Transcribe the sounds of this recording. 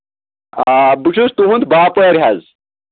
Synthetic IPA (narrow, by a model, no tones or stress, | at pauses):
abuʂʰust̪uɦund̪baːpoeɾʲɦɐz